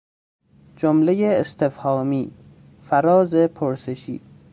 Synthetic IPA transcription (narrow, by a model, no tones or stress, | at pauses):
d͡ʒomlejeːst̪ʰefhɒːmiː | fæɾɒːzepʰoɾseʃḭː